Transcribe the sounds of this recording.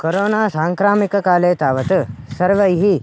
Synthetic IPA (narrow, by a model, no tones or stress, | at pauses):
koɾoːnaːsaːŋkɾaːmikɐkaːleːt̪aːʋɐt̪əsɐɾʋɐjɦi